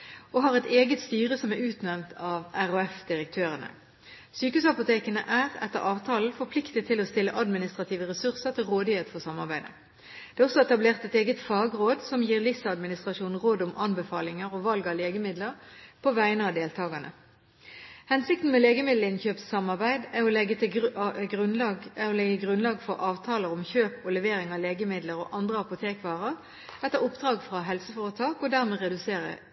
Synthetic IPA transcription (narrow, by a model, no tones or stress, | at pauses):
ɔɦɑːʁɛt̪eːɡət̪st̪yːʁəsɔmæʉːt̪nɛmnt̪ʰɑːʋæʁɔɛfd̪ɪʁək̚t̪ʰøːʁənə̰ | syːkʉsɑpʊt̪ʰeːkənə̰ʔæːʁɛ̰t̪ːəʁɑːʋt̪ʰɑːln̩fɔʁpʰlɪkt̪ət̪ʰɪlɔst̪ɪlːəʔɑd̪mɪnɪst̪ɾʁɑt̪ʰiːʋəʁɛsʉʁsəʁt̪ʰɪlʁoːd̪ɪheːt̪fɔʁsɑmːɑʁbæɪd̪ə̰ | d̪̥ɛːɔsɔɛt̪ɑbleːʁt̪ɛt̪eːɡət̪fɑːɡʁoːd̪sɔmjiːʁlɪsɑd̪mɪnɪst̪ʁɑʃuːnn̩ʁoːd̪ʊmʔɑnbəfɑːlɪŋəɾɔʋɑlɡɑleːɡəmɪd̪ləʁpʰɔʋæɪənəɑːd̪eːlt̪ʰɑːɡɑnʔə̰ | hɛnsɪkt̪n̩mɛleːɡəmɪd̪l̩ɪnçøːpsːɑmɑʁbæɪd̪æʁɔlɛɡət̪ʰɪɡʁʉnlɑæʁɔlɛɡəɡʁʉnlɑːɡfɔʁʔɑːʋt̪ʰɑːləʊmçøːpɔlɛʋeːɾɪŋɑleːɡəmɪd̪ləɾɔ̰ʔɑnd̪ʁəɑpʊt̪ʰeːkʋɑːʁəʁ | ɛt̪ːəʁʊpd̪̥ʁɑːɡfʁɑɦɛlsəfoːʁət̪ʰɑːkɔd̪æʁmeːʁɛd̪ʉseːʁə̰